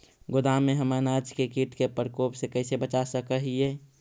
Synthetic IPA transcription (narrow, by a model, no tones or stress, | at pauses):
ɡʊd̪amẽɦəmənaːd͡ʒkekiʈkepəɾkoːpsekəɪsebət͡ʃasəkəɦie